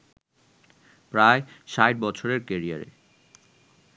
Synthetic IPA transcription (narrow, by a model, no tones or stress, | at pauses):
pɾaeʃajʈ̚bɔt͡ɕʰoɾeɾkeɾia̰ɾḛ